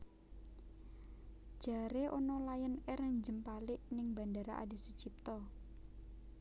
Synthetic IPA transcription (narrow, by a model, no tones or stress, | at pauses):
ʒ̥aɾeʔonɔlajənɛɾɛɲd͡ʒəmpalɪʔnɪŋba̤ndaɾa̰ʔa̰di̤sud̥d͡ʒ̥ip̚t̪ɔ